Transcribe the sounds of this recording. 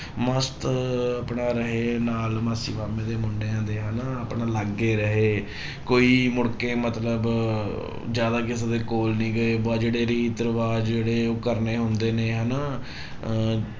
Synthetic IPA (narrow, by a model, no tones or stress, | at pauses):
məst̪apɳaːɾəɦeːnaːlmaːsḭːʋaːmẽːd̪eːmʊɳɖeːãːnd̪eːɦənaapɳaːləɡːeːɾəɦeː | koːiːmʊɽkeːmət̪ləb | d͡ʒjaːd̪aːkɪs̬ad̪eːkoːlnĩːɡəeːbaːd͡ʒeːɽeːɾiːt̪əɾʋaːd͡ʒd͡ʒeːɽeːoːkəɾneːɦʊnd̪eːneːɦənaː